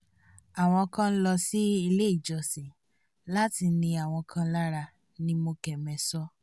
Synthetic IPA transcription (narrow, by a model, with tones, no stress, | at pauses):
a˨w̃ɔ̃˧kã˦lɔ˧si˦i˧le˦i˦˨d͡ʒɔ˨sĩ˨ | la˦ti˧nĩ˧a˨w̃ɔ̃˧kʰã˦la˦ɾa˧ | nĩ˧mo˧kɛ˨mɛ̃˧sɔ˦